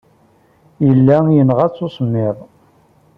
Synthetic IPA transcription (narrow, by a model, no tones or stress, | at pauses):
jəlːæjənʁæt͡sːosmːɪðˤ